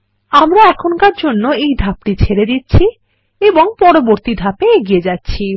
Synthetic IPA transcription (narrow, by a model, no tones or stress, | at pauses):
amɾaɛkʰonkaɾd͡ʑonːoejd̪ʱapʈit͡ɕʰeɾed̪itːɕʰi | eboŋpɔɾoboɾt̪id̪ʱapeeɡied͡ʑatːɕʰi